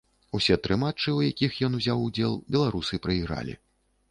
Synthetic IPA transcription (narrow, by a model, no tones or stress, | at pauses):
usʲɛt̪ɾɨmat͡ʂɨujakʲixjɔnuzʲawud͡zʲɛlˠbʲɛlˠaɾusɨpɾɐiɣɾa̰lʲḭ